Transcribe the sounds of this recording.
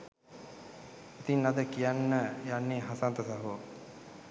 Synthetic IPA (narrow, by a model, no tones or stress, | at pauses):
it̪inːad̪əkijanːəjanːeːɦasant̪əsaɦo